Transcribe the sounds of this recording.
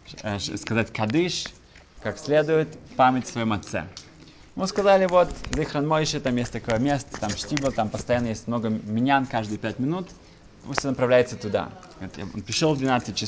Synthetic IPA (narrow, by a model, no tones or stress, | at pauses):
skɐzatʲkɐd̪ɨʂ | kaksʲlʲe̞d̪ʊjɪt̪pamʲɪtʲsvɐjomɐt̪sɛ̰ | ɪmuskɐzalʲɪvot̪zixɾənmojɪʃət̪amjesʲtʲt̪ɐko̞jəmʲest̪ə̥t̪amʂtʲibəlʲˠt̪ampəst̪ɐjanːəjesʲtʲmnoɡəmʲɪnʲankaʐd̪ɨjpʲætʲmʲɪnut̪ | pust̪ʲnəpɾɐvlʲæɪt̪sət̪ʊd̪a̰t̪ja̰o̰npʲɪɾʲɪʂolˠvd̪vʲɪnat̪sɨt̚ʲt͡ʃːɪ